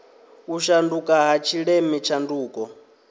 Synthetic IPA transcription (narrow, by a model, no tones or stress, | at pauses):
uʃandukʼaɦat͡ʃʰiɺɛmit͡ʃʰanduːkʼɔ